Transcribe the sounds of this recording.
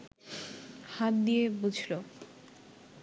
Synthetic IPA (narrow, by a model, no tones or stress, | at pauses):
hat̪̚d̪ijebud͡ʑʱlo